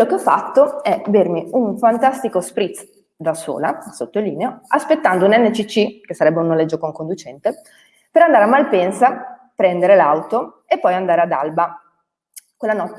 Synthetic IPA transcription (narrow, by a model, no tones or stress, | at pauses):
lokeɔfːat̪ːoɛvermiuɱfant̪ast̪ikospɾit̪s | d̪aso̰ːla̰sot̪ːoliːneoaspet̪ːand̪ounɛnːet͡ʃit͡ʃːikesːaɾɛbːeunːolɛd͡ʒːokoŋkond̪ut͡ʃɛnt̪e | peɾand̪aɾeamːalpɛnsa | pɾɛnd̪eɾelawt̪o | epːɔjand̪aːɾead̪a̰lba | kwelːanɔt̪ː